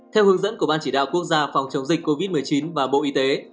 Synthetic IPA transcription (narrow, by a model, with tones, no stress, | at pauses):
t̪ʰɛ˧whɨ˨˦əŋzə̰˧˥nku˧˩əɓaː˧nt͡ɕi˧˩ɗa̰ː˧˨wku˦˥ək̚zaː˧fɔ˨˩wŋ͡mt͡ɕə˨˦wŋ͡mzï˨˩k̟̚kːo˧vi˦˥t̚mɨ˨˩əjt͡ɕi˨˦nvaː˨˩ɓo̰˧˨ʔi˧t̪e˨˦